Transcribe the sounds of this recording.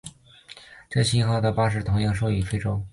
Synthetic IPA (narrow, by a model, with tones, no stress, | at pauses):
ʈ͡ʂɤ˥˩ɕi˥nxɑ˥˩ʊd̪ə˩pa˥ʂ̬ɻ̩˥˩t̪ʰʊ˧˥ŋjɑ˥˧ŋʂ̬o˥˧ʊy˨˩fe˥ɪʈ͡ʂo˥ʊ